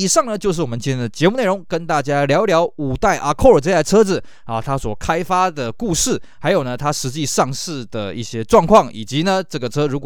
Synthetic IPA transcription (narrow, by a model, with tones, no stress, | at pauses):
i˨˩ʂɑ˥˩ŋnə˩˧t͡ɕjo˥˧ʊʂɻ̩˥˩wɔ˨˩mə˦nt͡ɕɛ˥˩nʰɛ˥nd̪ə˩t͡ɕjɛ˧˥mu˥˧ne˥˩ɪɻʊ˧˥ŋkə˦˥nt̪a˥˩t͡ɕja˥ljɑ˧˥ʊljɑ˧˥ʊu˨˩t̪a˥˩ɪʔa˨˩kʰo˥˩ə˞˨˩ʈ͡ʂɤ˧ja˥˩ə˨ʈ͡ʂʰɤ˥d͡z̩˨˩ | ɐ˥˩t̪ʰa˥swɔ˨˩kʰa˥ɪfa˥d̪ə˨˩ku˥˧ʂɻ̩˥˩ha˧˥ɪjo˨˩ʊnə˦t̪ʰa˥ʂɻ̩˧˥t͡ɕi˥˧ʂɑ˥˧ŋʂɻ̩˥˩d̪ə˩ḭ˥˩ɕjɛ˥ʈ͡ʂwɑ˥˧ŋkʰwɑ˥˩ŋi˨˩t͡ɕi˧˥nə˧ʈ͡ʂɤ˥˩ɡə˩ʈ͡ʂʰɤ˥ɻu˧˥kw